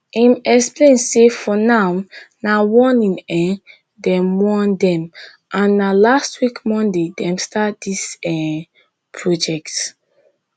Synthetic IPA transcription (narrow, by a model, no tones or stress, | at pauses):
ãmɛksplẽnsefɔnawnawɔ̃nĩnɛ̃ | dɛ̃mwɔ̃ndɛ̃m | ʔãnːalastwikmɔ̃ndedɛ̃mstat̚disɛ | pʰɹɔd͡ʒɛkt